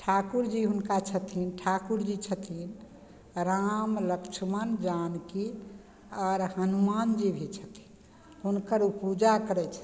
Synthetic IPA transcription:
ʈʰakuɾd͡ʒiɦunkat͡ʃʰət̪ʰinʈʰakuɾd͡ʒit͡ʃʰət̪ʰin | ɾamləkt͡ʃʰəmənd͡ʒanki | ɔːɾɦənumand͡ʒibʱit͡ʃʰə̥t̪ʰi̥n | ɦunkəɾupud͡ʒakəɾɛt͡ʃʰə̥

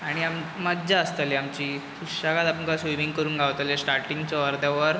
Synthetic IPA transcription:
aɽ̃iamməɡd͡ʑaəst̪aliamt͡ɕiːkuɕaɡat̪apənkasʋimiŋɡkəɾuːnɡʱaʋt̪alesʈaɾʈiŋɡt͡ɕɔʋəɾd̪aʋəɾ

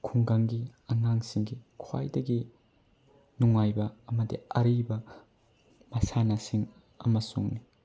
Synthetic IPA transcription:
kʰuŋɡaŋɡiɐŋaŋsiŋɡikʰwa̰jdɐɡi | nuŋajbɐːmɐdḭɐ̰ɾibɐ | mɐsanasiŋ | ɐ̰mɐsuŋni

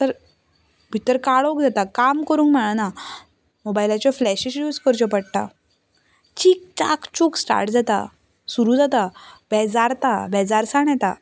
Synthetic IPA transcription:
t̪əɾ | bʱit̪əɾkaɭokd͡zat̪akamkəɾuːŋkm̤aɭ̃ana | mobailat͡ɕjɔflɛɕiɕjuːd͡zkəɾt͡ɕɔpəɽʈ̪a̰ | t͡ɕik̚ta̰kt͡ɕuksʈa̰ɾʈd͡zat̪a̰ | suɾũd͡zat̪abɛd͡zaɾt̪abɛd͡zaɾsaɳjɛt̪a̰

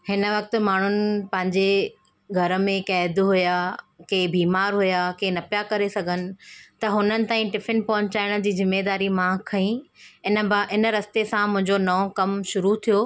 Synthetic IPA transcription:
hɪnə̆ʋɐk̚t̪ʊ̆maːɳ̤ʊnɪ̆pɐ̃ɦɪ̃ɲd͡ʑe | ɡʱɐɾə̆mẽkɛːd̪ɦʊja | keːbiːmaːɾɦʊjakeːnɐpjakɐɾesɐɡʱənɪ̆t̪ɐɦʊnənɪ̆t̪aːĩʈɪfɪnpɔɦʊ̃ɲt͡ɕaːɪɽ̃̆d͡ʑiːzɪmːed̪aːɾimãkʰɐĩɪnəɪnə̆ɾɐst̪esãmʊ̃ɦɪ̃ɲd͡ʑonɐõkɐmʃʊɾut̪ʰijoː

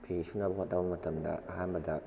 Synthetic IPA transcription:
pʰeisuŋnɐbɐɦot̚dawbɐmɐtɐmdɐ̰ʔɐɦanbɐdɐ

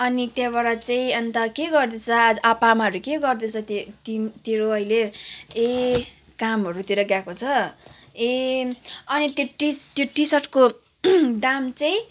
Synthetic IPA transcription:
ʌnit̪jabaɽat͡saĩʌnt̪ʌkeɡʌrd̪et͡sʰʌad͡zʔapamaʌɾukeɡʌrd̪et͡sʰʌt̪et̪int̪eɾoʌilee | kamɦʌɾut̪iɾʌɡjakot͡sʰʌ | e | ʌnit̪jeʈit̪joʈisʌʈko | d̪amt͡saĩ

